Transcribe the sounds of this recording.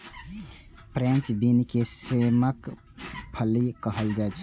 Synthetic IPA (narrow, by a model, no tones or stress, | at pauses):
pɾɛ̃nt͡ʃbinkesemək | pʰəlikəɦəld͡ʒaet͡ʃʰ